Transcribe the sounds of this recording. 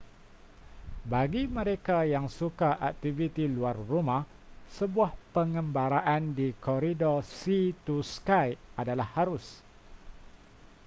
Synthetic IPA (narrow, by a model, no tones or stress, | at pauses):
baɡimə̃ɾekajaŋsukaʔak̚t̪ivit̪iluarːumah | səbuahpəŋə̃mbaɾaʔandikɔɾidɔsit̪uskajadalahːaɾʊs